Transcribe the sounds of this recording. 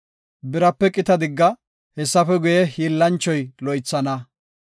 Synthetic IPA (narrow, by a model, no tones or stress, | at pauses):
bɪɾɐpːɛkʼɪt̪ɐd̪ɪɡːɐ | hɛsːɐfɛɡʊjɛhiːlːɐnt͡ʃːɔjlɔjt͡sːɐnɐ